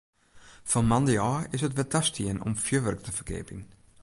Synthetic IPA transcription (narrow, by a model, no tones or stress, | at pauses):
fɔmandəjɑːɪsətʋɛdastʰiənɔ̰mfjəʋœrktʰəfərɡḛːpḭŋ